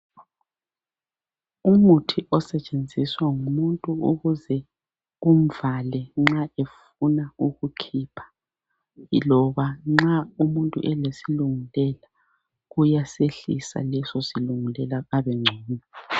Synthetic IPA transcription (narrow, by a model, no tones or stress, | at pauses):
umutʰiʔɔsɛt͡ʃʼend͡zʱiswaŋumuntʼuuɣuzɛ | um̩valɛŋ͡ǁaef | unauɣukʰiːpʰḁ | lɔβaŋ͡ǁaumuntʼṵʔɛlesiluŋilɛla | ɣujaseɬḭsa̰lɛsɔsiluŋilɛlaɣaβɛŋ͡ǀʱɛːnɛ